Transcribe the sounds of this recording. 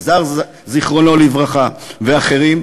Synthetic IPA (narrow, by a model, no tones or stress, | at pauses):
zaʁ | ziχʁo̞no̞livʁaχaveaχe̞ʁim